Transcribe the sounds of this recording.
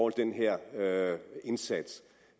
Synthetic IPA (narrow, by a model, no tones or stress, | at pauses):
ɔld̥enɦɛɐ̰øe̝nsæd̥s